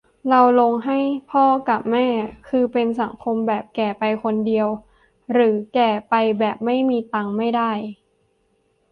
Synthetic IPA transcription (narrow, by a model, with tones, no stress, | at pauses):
ɾa˧wlo˧ŋɦa˥˩jpʰɔː˥˩ka˨˩p̚mɛː˥˩kʰɯː˧pe˧ns̬a˩˦ŋkʰo˧mbɛː˨˩p̚kɛː˨˩pa˧jkʰo˧ndi˧əw | ɾɯː˩˦kɛː˨˩pa˧jbɛː˨˩p̚ma˥˩jmiː˧t̪aː˧ŋma˥˩jda˥˩j